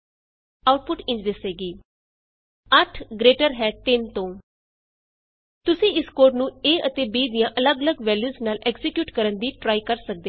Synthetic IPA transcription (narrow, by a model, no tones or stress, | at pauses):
aːʊʈ̚pʊʈɪ̃ɲt͡ʃd̪ɪseːɡiː | əʈʰɡɾeːʈəɾɦɛːt̪ɪnt̪õː | t̪ʊsĩːɪskoːɾnũːeːʔət̪eːbiːd̪ijãːʔələɡələɡʋɛːljuːznaːlʔɛːkzɪkjuːʈkəɾənd̪iːʈɾaːikəɾsək̚d̪eː